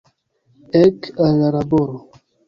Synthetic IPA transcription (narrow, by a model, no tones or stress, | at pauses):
ɛkalaɾaboɾo